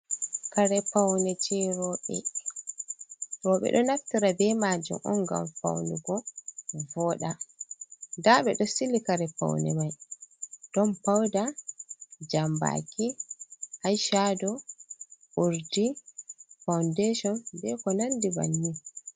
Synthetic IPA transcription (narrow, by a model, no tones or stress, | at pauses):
kaɾɛpawnɛt͡ʃɛɾɔɓɛ̰ | ɾɔɓɛ̰ɗɔnaftiɾabɛmaːd͡ʒṵmʔɔ̰nɡa̰mfa̰wniɡɔvɔɗa | daɓɛɗɔsilːikaɾɛpa̰wnɛ̰maj | ɗɔmpawda | d͡ʒamba̰kihajʃadɔ | ʔuɾdi | fawndeʃɔnbɛkɔnandiba̰nːi